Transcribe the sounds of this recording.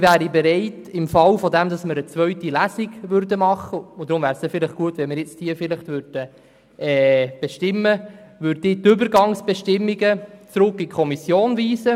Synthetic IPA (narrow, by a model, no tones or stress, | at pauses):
væːɾibɛɾɛɪtɪmfɑwfɔd̪ɛmdɑsməɾət͡sʋœɥtilæsiɡʋʏɾdəmɑχəʊd̪ɾʊmvæːɾst̪ɛfɪlɪχɡ̥uətʋɛnmɪɾjɪt͡sthiːfɪlɪχt̪ʋʏɾd̥ə | ɛːb̥ɛʃtɪmːəʋʏɾdɪt̪ʏbəɾɡɑŋsb̥ɛʃtɪmːiɡət͡sɾʊkikʰχɔmisjoːnviːsə